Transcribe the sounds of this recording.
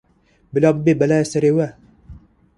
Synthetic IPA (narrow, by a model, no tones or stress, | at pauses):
bɪlabbebɐlajsɐɾewæ